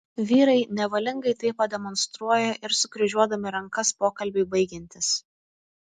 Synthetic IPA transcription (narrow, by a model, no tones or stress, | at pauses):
ʋʲiːɾɐɪnʲɛʋɐlʲɪŋɡɐɪt̪ɐɪpːɐd̪ʲɛmɔnst̪ɾuɔjɛʔɪɾsʊkɾʲɪʒʲuɔd̪ɐmʲɪɾɐŋkɐspoːkɐlʲbʲɪɪbɐɪɡʲɛnʲt̪ʲɪs